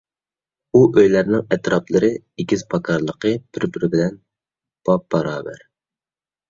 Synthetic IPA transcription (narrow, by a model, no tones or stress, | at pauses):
uʔøjlæɾnɪŋɛt̪ɾɑplˠɨɾɨ | iɡʲizpʰɑkʰɑɾlˠəqʰəb̥ɪɾbɪɾɪbɪlɛn | b̥ɑp̚bɑɾɑːbæ̰ɾ